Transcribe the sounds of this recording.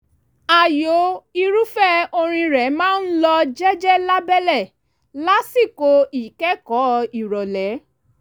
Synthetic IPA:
a˨jo˨˦i˧ɾu˦fɛ˦o˧ɾ̃ĩ˧ɾɛ˨˦mãː˦n̩˦lɔ˧d͡ʒɛ˦d͡ʒɛ˦la˦bɛ˦lɛ˦˨ | la˦si˦˨ko˧i˨kɛ˦kɔ˨˦i˨ɾɔ˨lɛ˨˦

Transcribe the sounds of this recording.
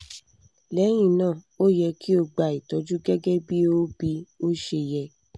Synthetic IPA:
lɛ˨˦j̃ĩ˦˨nãː˦˨ | o˦jɛ˧kʰi˦o˧ɡ͡ba˨i˨tɔ˨˦d͡ʒu˦ɡɛ˦ɡɛ˦bi˦o˦bi˧˦o˦ʃe˧jɛ˧

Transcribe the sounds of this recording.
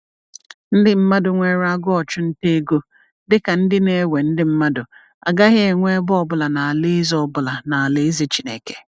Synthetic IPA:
n̩˦dɪ˦m̩˦ma˦dʊ˨ŋʷe˦ɾa˦ɡʊ˦ɔ˨t͡ʃʊ˦n̩˦te˦e˦ɡo˦ | dɪ˦ka˨n̩˦dɪ˦ne˦we˨n̩˦dɪ˦m̩˦ma˦dʊ˨ | a˨ɡa˦ɣɪ˦e˨ŋʷe˦bʊ˦ɔ˨bʊ˨la˨na˨a˨le˦zɔ˦bʊ˨la˨na˨a˨le˦ze˦t͡ʃi˨˦nḛ˨ke̥˨

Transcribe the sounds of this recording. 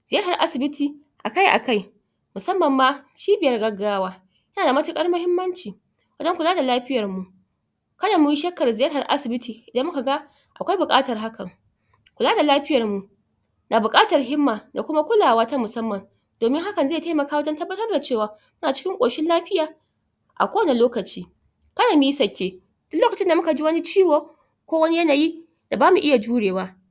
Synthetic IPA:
zɪ˨jɐ˦rha˨rʔa˦sɪ˨bɪ˦tiː˨ | ʔa˨ka˦jʔa̰˨ka˦j | mʊ˨sɐ˦mːɐ˨mːa˦ʃiː˦bɪ˨jɐ˦rɡɐ˦ɡaː˦waː˦ | jɐ˦naː˨da˨ma˦t͡ʃɪ˦kʼɐ˦ɽmʊ˦hɪ˦mːɐ˦nt͡ʃiː˨ | wɐ˦d͡ʒɐ˦ŋkʷʊ˨laː˦da˨laː˦ɸɪ˦jɐ˨rmu˨ʔ | kɐ˦da˨mʊ˦ji˦ʃɐ˦kːɐ˨rzɪ˨jɐ˦rɦa˨rʔa̰˦sɪ˨bɪ˦tʰiː˨ʔɪ˨dɐ˦mːʊ˦ka˨ɡa˦ | ʔa˨kʷa˦jbʊ˨kʼa̰ː˦tɐ˨rɦa˦kɐ˨ŋ | kʷʊ˨laː˦da˨laː˦ɸɪ˦jɐ˨rmu˨ | na˨bʊ˨kʼaː˦tɐ˨rɦɪ˦mːaː˨da˨kʷʊ˦ma˦kʷʊ˦laː˨waː˦ta˦mʊ˨sɐ˦mːɐ˨n | doː˨mɪ˦ŋɦa˦kɐ˨nze˦˨ta˦jmɐ˨kaː˦wɐ˦d͡ʒɐ˦ntɐ˦bːɐ˦tɐ˦rda˨t͡ʃeː˦˨waː˨ | mʊ˦naː˨t͡ʃɪ̥˦kʲɪ˦ŋkʷʼoː˨ʃɪ˦nlaː˦ɸɪ˦jaː˨ | ʔa̰˨kʷo˦wɐ˦na˨loː˦kɐ˨t͡ʃiː˦ | kɐ˦naː˨mɪ˦i˦sɐ˨kʲʰːeː˨ | d̥ʊ˦kloː˦kɐ˨t͡ʃɪ˦nda˨mʊ˦ka˨d͡ʒi˦wɐ˦ni˦t͡ʃiː˦woː˨ | kʷoː˦wɐ˦ni˦jɐ˦naː˨ji˦ | d̥a˨baː˦mu˨ʔɪ˦ja˨d͡ʒuː˦ɽeː˨waː˦

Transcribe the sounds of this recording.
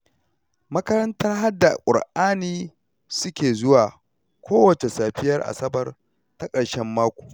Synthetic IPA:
mɐ˦kɐ˦ɾɐ˦ntɐ˦rɦa˦dːa˨kʷʼʊ̰˨ɽʔaː˦niː˦ | sʊ˦kʲeː˨zʊ˦waː˨ | kʷoː˦wɐ˨t͡ʃe˨saː˨ɸɪ˦jɐ˦rʔa̰˨sɐ˦bɐ˨r | ta˦kʼɐ˨ɽʃɛ˦mːaː˦kʷo̥ː˨

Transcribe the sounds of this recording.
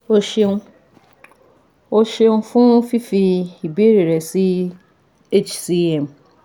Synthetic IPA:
o˦ʃẽ˦ | o˦ʃe˦nũ˦fʊ̃˦fi˦fi˧i˨be˦ɾe˨ɾɛ˨si˦ | e˦t͡ʃsi˦ɛ˨m˨

